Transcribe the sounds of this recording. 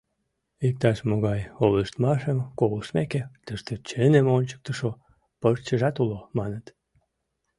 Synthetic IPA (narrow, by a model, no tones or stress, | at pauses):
ik̚t̪ɑʃmoɣɑjoleʃt̪mɑʃəmkoɣəʃmeket̪əʃt̪et͡ɕənemonʲt͡ɕə̥k̚t̪əʃo | pərt͡ɕəʒɑt̪ulomɑnət̪